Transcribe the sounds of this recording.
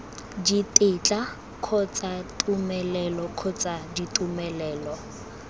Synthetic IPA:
ditʼet͡ɬʼa | kʰʊt͡sʼatʼumɛlɛlɔkʰʊt͡sʼaditʼumɛlɛːlɔ

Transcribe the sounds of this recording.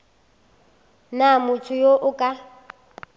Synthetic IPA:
namʊtʰʊjoʔʊkʼa

